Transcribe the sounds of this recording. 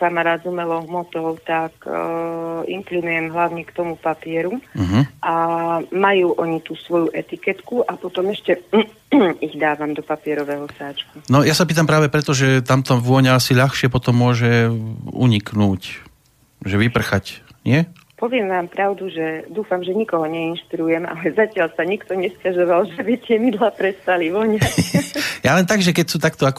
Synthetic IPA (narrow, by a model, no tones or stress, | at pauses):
kamaɾaːd̪zumɛlɔɦmɔt̪ɔʊt̪ak | ḭŋklinujɛmɦlaʊɲɛkt̪ɔmupapɪɛɾuɦ̩ʔamajuːʔɔɲit̪uːsʋɔjuʔɛt̪ikɛt̪kuʔapɔt̪ɔmɛʃcɛ | iɣd̪aːʋamd̪ɔpapɪɛɾɔʋɛɦɔsaːt͡ʃkunɔjasap̬iːt̪ampɾaːʋɛpɾɛt̪ɔʒɛt̪amt̪ɔʋɔɲɛasiʎaxʃɪɛpɔt̪ɔmːʊɔʒɛṵɲiknuːc | ʒɛʋipr̩xacɲɪɛ | pɔʋɪɛmʋaːmpɾaʊd̪uʒɛd̪uːfamʒɛɲikɔɦɔɲɛinʃpiɾujɛma̰lɛzacɪalsaɲikt̪ɔɲɛscaʒɔʋalʒɛbit̪ɪɛmid̪lapɾɛst̪aliʋɔɲɛ | jalɛnt̪aɡʒɛkɛcsuːt̪akt̪ɔak